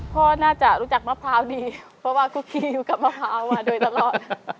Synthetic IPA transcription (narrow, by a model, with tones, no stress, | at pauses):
kʰɔː˧˩naː˥˩t͡ɕa˨˩ʔɾuː˦˥t͡ɕa˨˩k̚maː˧˥˩pʰɾaː˦˥wdiː˧pʰɾɔ˦˧˥waː˧˥˩kʰuː˧˩kʰiː˧˥juː˧˩ka˨˩p̚maː˧˥˩pʰɾaː˧˦˥wmaː˧doː˧˩jt̪a˧lɔː˨˩t̪̚